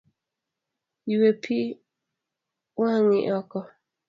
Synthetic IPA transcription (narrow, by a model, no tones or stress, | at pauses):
iwepʰi | waŋḭʔɔkɔ